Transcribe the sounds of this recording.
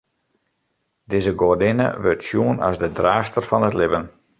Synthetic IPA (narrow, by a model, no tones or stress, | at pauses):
dɪzəɡordɪnə̰ʋøtsjuənɔ̰sdədraːxstərfɔnətlɪbən